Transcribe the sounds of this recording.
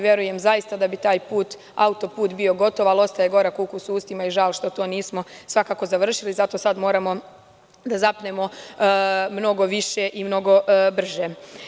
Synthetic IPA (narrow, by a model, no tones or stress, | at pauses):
ʋje̞ɾuje̞mzajist̪ad̪abit̪aːjpuːt̪ | a̰ut̪o̞puːt̪bio̞ɡo̞t̪o̞ʋalˠo̞st̪ajeɡo̞ɾakuːkusuːst̪imaiʒaːlˠʃt̪o̞t̪o̞ːniːsmo̞sʋakaːko̞zaʋr̩ʃilizat̪o̞sad̪mo̞ːɾamo̞ | d̪azapne̞mo̞ | mno̞ɡo̞ʋiʃeʔimno̞ɡo̞br̩ʒe